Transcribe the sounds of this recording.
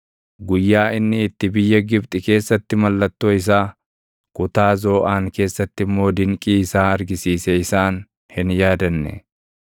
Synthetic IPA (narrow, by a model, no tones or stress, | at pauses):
ɡʊjːaːɪnːɪːt̪ːɪbɪjːɐɡɪbt̪ʼɪke̞ːsːɐt̪ːɪmɐlːɐt̪ːoːɪs̬aː | kʼʊt̪aːzoːʔaːŋke̞ːsːɐt̪ːɪmːo̞ːd̪ɪŋkʼiːɪsaːɐɾɡɪsiːsɛɪsaːn | hɪnjaːd̪ɐnːɛ̰